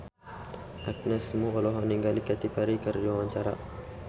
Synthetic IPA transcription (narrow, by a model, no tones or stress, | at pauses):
ʔak̚nəsmuɔlɔɦaniŋɡalikat̪ipaɾikərd͡ʒawaɲt͡ʃaɾa̰